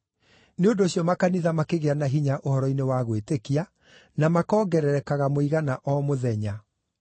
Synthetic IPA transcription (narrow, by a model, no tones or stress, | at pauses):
neondoːɕjɔmakaniðamakeɣeanaɦiɲaʔohɔɾɔinewaɣwetekia | namakɔːɡɛɾɛɾɛkaɣamoiɣanaʔɔmoðɛɲa